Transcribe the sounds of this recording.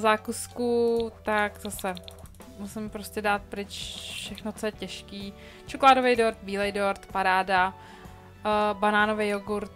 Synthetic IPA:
zaːkuskut̪akzasɛ | musɪmpɾoscɛdaːt̪̚pɾɪt͡ʃfʃɛxnot͡sojɛcɛʃkiː | t͡ʃokolaːdovɛjdoɾt̪̚biːlɛjdoɾt̪paɾaːda | banaːnovejoɡuɾt̪

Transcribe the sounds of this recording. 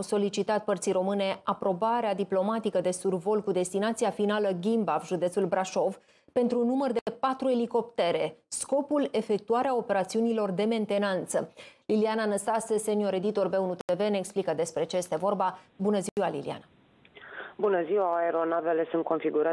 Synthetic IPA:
wso̞lit͡ʃit̪at̪̚pərt̪sijɾo̞mɨne̞apɾo̞baɾead̪iplo̞mat̪ikəd̪e̞survo̞lkud̪e̞st̪inat̪sijafinaləɡʲimbavʒud̪e̞t̪sulbɾaʃo̞v | pe̞nt̪ɾunumərd̪ee̞pat̪ɾue̞liko̞pt̪e̞ɾe̞sko̞pule̞fe̞k̚t̪uaɾeao̞pe̞ɾat̪siunilo̞rd̪e̞me̞nt̪e̞nant̪səliliananəst̪asəse̞nio̞ɾe̞d̪it̪o̞rbe̞unut̪eeve̞neːksplikəd̪e̞spɾe̞t͡ʃejest̪e̞vo̞rbabunəziwalḭlḭa̰na | bunəziwaːeɾo̞nave̞le̞sunt̪̚ko̞nfiɡuɾa

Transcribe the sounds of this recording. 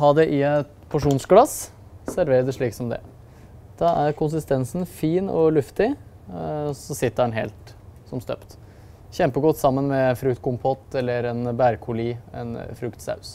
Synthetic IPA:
ɦɑːd̪ɛʔɪɛt̪pʰʊʂuːnsɡlɑs | sæɾʋeːɾəd̪ɛʂɭiːksɔmd̪ɛ̰ | d̪̥ɑʔæɾkʰʊns̬ɪst̪ɛnsn̩fiːnɔ̰lʉft̪ɪ | sɔsɪt̪ːəɑnɦḛːlt̪sɔmst̪œ̰pt̪ | çɛmpəɡɔt̪ːsɑmːənmɛɛnfɾʉkt̪kʊmpʰɔt̪ːɛlːəɾɛnbæɾkʰʊliɛ̰nfɾʉkt̪sɑ̰ʉs

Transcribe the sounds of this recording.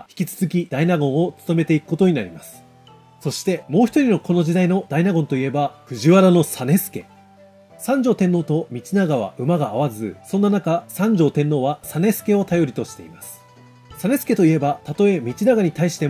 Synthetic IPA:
çi̥kʲit͡sɨ̥zɨkʲid̪̥ainaɡõ̞ɰ̃o̞t͡sɨ̥t̪o̞me̞t̪e̞ikɯ̟̥kot̪oɲ̟inaɾʲimasɨ̥ | so̞ɕi̥t̪e̞mo̞ːçi̥t̪o̞ɾʲino̞ko̞no̞ʑid̪aino̞d̪ainaɡõ̞nt̪oie̞baɸɯ̟ʑiβaɾano̞sane̞sɨ̥ke̞̰ | sãɲ̟d͡ʑo̞ːt̪ẽ̞nːo̞ːt̪o̞mʲit͡ɕinaɡaβa̰ʔɯ̟maɡaːβ̞azɨsõ̞nːanakasãɲ̟d͡ʑo̞ːt̪ẽ̞nːoːβasane̞sɨ̥ke̞o̞t̪ajo̞ɾʲit̪o̞ɕi̥t̪e̞̰ḭmasɨ̥ | sane̞sɨ̥ke̞t̪o̞ie̞bat̪at̪o̞e̞mʲit͡ɕinaɡaɲ̟it̪aiɕi̥t̪e̞

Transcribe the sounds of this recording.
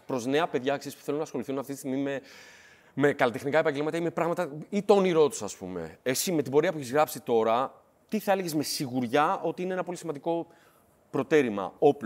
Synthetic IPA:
pɾo̞zne̞ɐpe̞ðʝɐksispu̥θe̞lunɐːsxo̞liθunɐft̪it̪isiɣmime̞ | me̞kɐlit̪e̞xnikɐe̞pɐɲɟemɐt̪ɐime̞pɾɐɣmɐt̪ɐit̪oniɾo̞t̪u̥sɐspṵme̞̰esime̞t̪ibo̞ɾiɐpueçizɣɾɐpsit̪o̞ɾɐ | t̪iθɐele̞ʝe̞zme̞siɣuɾʝɐʔo̞t̪iineenɐpo̞lismɐnd̪iko̞ | pɾo̞t̪eɾimɐ̰o̞p

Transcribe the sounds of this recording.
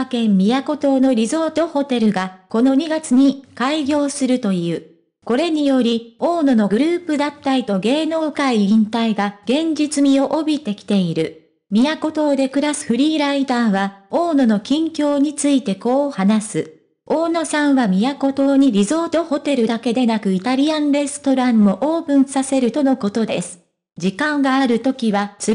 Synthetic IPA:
kẽ̞mːʲijako̞t̪o̞ːno̞ɾʲizo̞ːt̪o̞ho̞t̪e̞ɾɯ̟ɡako̞no̞ɲ̟iɡat͡sɨɲ̟ikaiɡʲo̞ːsɨɾɯ̟t̪o̞jɯ̟ː | ko̞ɾe̞ɲ̟ijo̞ɾʲioːno̞no̞ɡɯ̟ɾɯ̟ːpɯ̟d̪at̪ːaɾʲit̪o̞ɡe̞ːno̞ːkaiĩnt̪aiɡaɡ̥ẽ̞ɲ̟d͡ʑit͡sɨmʲio̞ʔobʲit̪e̞kʲi̥t̪e̞iɾɯ̟ | mʲijako̞t̪o̞ːd̪e̞kɯ̟ɾasɨ̥ɸɯ̟ɾʲiːɾaid̪aːβaoːno̞no̞kʲĩŋkʲo̞ːɲ̟it͡sɨit̪e̞ko̞ːhanasɨ | o̞ːno̞sãɰ̃βamʲijako̞t̪o̞ːɲ̟iɾʲizo̞ːt̪o̞ho̞t̪e̞ɾɯ̟d̪ake̞d̪e̞nakɯ̟it̪aɾʲiãnɾe̞sɨ̥t̪o̞ɾãmːo̞ʔoːpɯ̟̃ɰ̃sase̞ɾɯ̟t̪o̞no̞ko̞t̪o̞d̪e̞sɨ̥ | d͡ʑikãŋɡaːɾɯ̟t̪o̞kʲiβat͡sɨ

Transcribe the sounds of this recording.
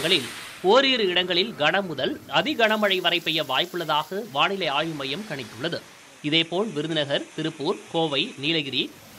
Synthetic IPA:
ɡɐɭɪl | oːɾiːɾɯɪɽɐŋɡɐɭɪlɡɐɳɐmʊðɐlɐðɪɡɐɳɐmɐɻɐɪʋɐɾɐɪpːɛjɐʋaːjpɯɭːɐðaːɣɐʋaːnɪlɐɪaːjɯmɐjɐmkɐɳɪt̪ːɯɭːɐðɯ | ɪðeːpoːɭʋɪɾɯðɪnɐɣɐɾt̪ɪɾɯpːuːɾkoːʋɐɪniːlɐɣɪɾi

